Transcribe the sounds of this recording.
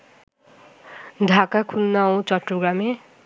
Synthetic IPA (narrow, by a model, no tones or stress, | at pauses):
d̪ʱakakʰunːaw̃t͡ʃɔʈɾuɡame